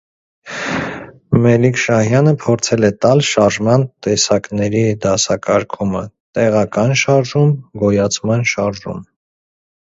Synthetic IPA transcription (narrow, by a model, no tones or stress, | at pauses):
mɛlikʃɑhjɑnəpʰɔɾt͡sʰɛlɛt̪ɑlʃɑɾʒmɑnt̪ɛsɑknɛɾid̪ɑsɑkɑɾkʰumə̰t̪ɛʁɑkɑnʃɑɾʒumɡɔjɑt͡sʰmɑnʃɑɾʒṵm